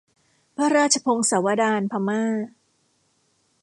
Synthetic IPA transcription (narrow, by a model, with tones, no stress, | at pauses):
pʰa˦˥ɾaː˥t̚t͡ɕʰa˧pʰo˧ŋsa˩˦wa˧daː˧npʰa˧maː˥˩